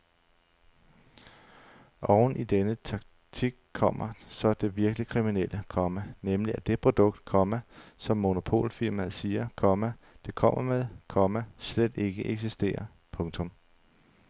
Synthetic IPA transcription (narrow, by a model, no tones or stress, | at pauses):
ʔɒʊn̩id̥enət͡sʰɑ̈ɡ̥̚ | t͡sʰiɡ̥̚kʰːɒ̽m̰ɐsɒ̽d̥e̝ʋiɐɡ̥əlikʰʁiminel̰əkʰɒ̽mænemliæd̥e̝pʰʁo̝d̥ɔ̽ɡ̥̚d̥̚kʰɒ̽m̰æsɒ̽mːo̝no̝pʰo̝̰ːlfiɐmæðˠsiːɐkʰɒ̽mæ | d̥e̝kʰɒ̽m̰ɐmeð̞ˠkʰɒ̽mæsled̥e̝ɡ̥əʔeɡ̥sisd̥e̝̰ːɐ | pʰɔ̽ŋt͡sʰɔ̽m